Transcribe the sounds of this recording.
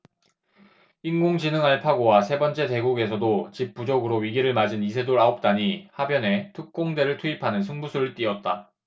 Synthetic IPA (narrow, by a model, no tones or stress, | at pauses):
inɡoŋd͡ʑinɯŋaɭpʰaɡowasʰe̞bʌnt͡ɕ͈e̞te̞ɡuɡe̞sʰʌdot͡ɕip̚p͈ud͡ʑʌɡɯɾoɥiɡiɾɯɭmad͡ʑinisʰe̞doɾaop̚t͈aɲihabjʌne̞tʰɯk̚k͈oŋde̞ɾɯɭtʰuipʰanɯnsʰɯŋbusʰoɭit͈iʌt̚t͈a